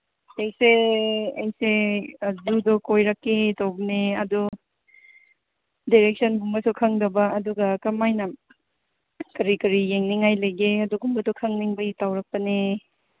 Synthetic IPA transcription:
ejseɐjsezudɔkojɾɐkːetawbɐneɐdu | diɾek̚sɐnɡumbɐsukʰɐŋdɐbɐːduɡɐkɐmajnɐ | kɐɾikɐɾijeŋniŋajlɐjɡeɐduɡumbɐdɔkʰɐŋniŋbɐjitawɾɐk̚pɐne

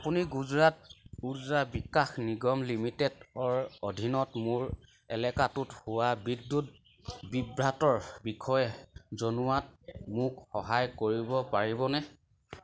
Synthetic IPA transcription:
apuniɡuzɹat̚uzɹabikːaxniɡɔmlimitɛdɔɹodʱinɔtmʊɹ | ɛlɛkatuthʊwabidːut | bibɹatɔɹbikʰɔjɛzonuwatmʊkxɔɦajkoɹibɔpaɹibɔnɛ

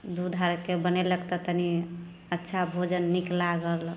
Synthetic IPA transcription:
d̪ud̪ʱaɾkebənɛləkt̪ət̪əni | ətːʃʰabʱod͡ʒənːiklaɡəl

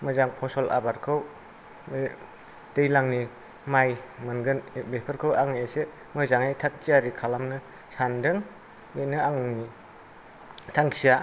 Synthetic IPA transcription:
mɯzaŋpʰɔsɔlʔa̰baɾkʰɯw | m | dejlaŋni | majmɯnɡɯnbepʰɯɾkʰɯwaŋesɯ | mɯzaŋajtʰak̚t͡ʃiaɾikʰalamnɯ | sandɯŋ | benɯaŋɯni | tʰaŋkʰija

